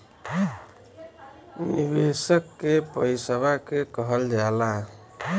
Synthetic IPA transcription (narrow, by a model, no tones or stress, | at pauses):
nibesəkːepəjsəβakekɔɦəld͡ʒala